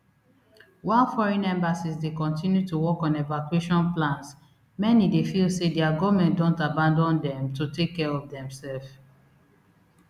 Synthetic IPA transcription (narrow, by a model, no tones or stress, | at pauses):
wãnfɔɹɛ̃nɛ̃mbasisdekɔ̃ntĩnjutuwɔkɔ̃nevakueʃɔ̃nplãns | mɛnidefilsediaɡɔvmɛ̃ntdɔ̃ntabãndɔ̃ndɛ̃mtutekːɛɹɔvdɛ̃msɛlf